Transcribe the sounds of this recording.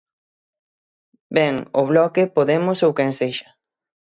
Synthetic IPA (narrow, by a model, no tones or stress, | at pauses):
beŋo̰βlɔkepoðemosowkenseʃɐ̥